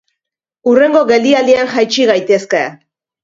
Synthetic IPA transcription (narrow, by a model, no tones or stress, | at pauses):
ure̞ŋɡo̞ɣe̞lialiaŋxajt͡ʃiɣ̞ajt̪e̞ske